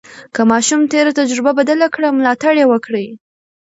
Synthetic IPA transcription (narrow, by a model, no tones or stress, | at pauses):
kəmɑʃumt̪eɾat̪ad͡ʒɾɪbabad̪alakɽamlɑt̪aɽjewəkɽəj